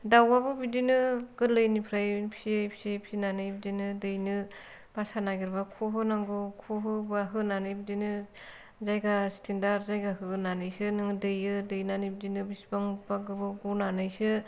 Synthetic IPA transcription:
dawabɯbidinɯɡ̥ɯlɯjnipʰɾajpʰi̥sipʰi̥sepʰsinanɯjbidinɯdɯjnɯ | b̥asanaɡiɾbakʰuɦɯnaŋɡɯkʰuɦɯbaɦɯnanɯjbidinɯ | zajɡastʰendaɾzajɡahɯnanɯjsɯnɯŋdɯjɯdɯjnanibidinɯbisbaŋbaɡɯbɯɡunanɯjsɯ

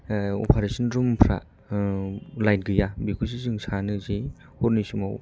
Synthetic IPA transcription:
o̰pʰaɾesinɾumpʰɾa̰ | lajt̚ɡɯjabikʰus̬izɯŋsanɯzi | hoɾnisima̰w

